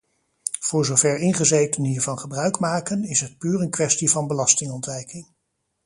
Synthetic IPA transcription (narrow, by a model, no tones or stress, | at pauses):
v̥ʊːɹzowvɛɹɪnχəzejtənɦiːɹvɑnχəbrœɥkmaːkənɪsɦət̚pyːɾənkʋɛstivɑnbəlɑstɪŋɔntʋɛjkɪŋ